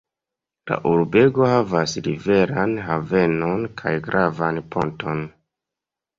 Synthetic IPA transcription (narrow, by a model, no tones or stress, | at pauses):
la̰ʔuɾbe̞ɡo̞havasɾive̞ɾanɦave̞nonkʰajɡɾʔavanpʰo̞̰nto̞n